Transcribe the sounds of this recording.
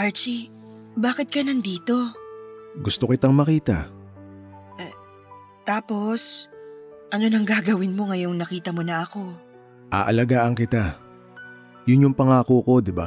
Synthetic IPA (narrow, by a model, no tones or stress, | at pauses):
ʔaɹt͡ʃi | baːkɪt̪̚kɐnɐnd̪iːt̪o̞ | ɡʊst̪okɪt̪aŋmɐkiːt̪a̰ | t̪aːpo̞s | ʔɐno̞nɐŋɡaːɡɐwɪnmo̞ŋɐjoŋnɐkiːt̪ɐmonɐʔɐko̞ | ʔa̰ːʔɐlɐɡaːʔɐŋkɪt̪a | jʊnjʊŋpɐŋaːkuːko̞d̪ɪba